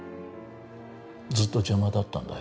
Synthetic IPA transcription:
d͡zɨt̪ːo̞d͡ʑamad̪at̪ːã̰nd̪a̰

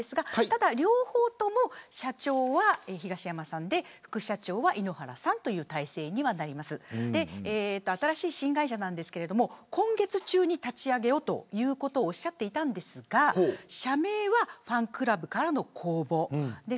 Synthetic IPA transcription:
esɨɡat̪ad̪aɾʲo̞ːho̞ːt̪o̞mo̞ɕat͡ɕo̞ːβaeçiɡaɕijamasãnd̪e̞ɸɯ̥kɯ̟ɕat͡ɕo̞ːβaʔino̞haɾa̰sãnt̪o̞jɯ̟ːt̪aise̞ːɲ̟iβanaɾʲimasɨd̪e̞eːt̪ːo̞at̪aɾaɕiːɕĩŋɡaiɕanãnd̪e̞sɨ̥ke̞ɾe̞d̪o̞mo̞kʰõ̞ŋɡe̞t͡sɨt͡ɕɨːɲ̟it̪at͡ɕiaɡe̞o̞t̪o̞̰jɯ̟ːko̞t̪o̞ːɕiːat̪ːe̞it̪ãnd̪e̞sɨɡaɕame̞ːβaɸãŋkɯ̟ɾabɯ̟kaɾano̞kʰo̞ːbo̞d̪e̞

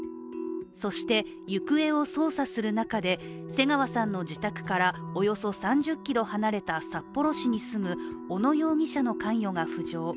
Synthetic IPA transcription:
so̞ɕi̥t̪e̞ | jɯkɯ̟e̞o̞so̞ːsasɨɾɯ̟nakad̪e̞ | se̞ŋaβasãnːo̞d͡ʑit̪akɯ̟̥kaɾaojo̞so̞sãɲ̟d͡ʑɨkʲːiɾo̞hanaɾe̞t̪asapːo̞ɾo̞ɕiɲ̟isɨmɯ̟o̞no̞jo̞ːŋʲiɕano̞kãɰ̃jo̞ɡaɸɯ̟ʑo̞ː

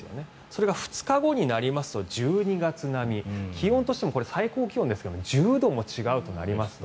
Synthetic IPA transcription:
jo̞̰ne̞ | so̞ɾe̞ɡaɸɯ̟̥t͡sɨ̥kaɡo̞ɲ̟inaɾʲimasɨ̥t̪o̞ʑɨːɲ̟iɡat͡sɨnamʲikʲiõnt̪oɕi̥t̪emko̞ɾe̞saiko̞ːkʲiondesɨ̥ked̪omo̞ʑɨːd̪o̞mo̞t͡ɕiɡaɯ̟t̪o̞na̰ɾʲimasɨ̥t̪

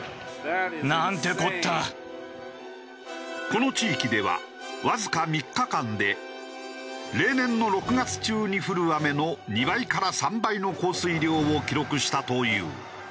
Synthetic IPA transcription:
nant̪e̞kot̪ːa | ko̞no̞t͡ɕiːkʲid̪e̞βa̰ | βazɨkamʲikːakãnd̪e̞ | ɾe̞ːnẽ̞nːo̞ɾo̞kɯ̟ɡat͡sɨ̥t͡ɕɨːɲ̟iɸɯ̟ɾɯ̟ame̞no̞ɲ̟iβaikaɾasãmbaino̞ko̞ːsɨiɾʲjo̞ːokʲiɾo̞kɯ̟ɕi̥t̪at̪o̞jɯ̰ː

